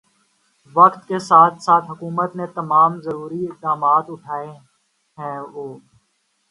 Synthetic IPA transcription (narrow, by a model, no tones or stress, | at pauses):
ʋəkt̪kesaːt̪ʰsaːt̪ʰɦʊkuːmət̪net̪əmaːmzəɾuːɾiɪk̚d̪aːmaːt̪ʊʈʰaːe | ɦɛ̃ːʋoː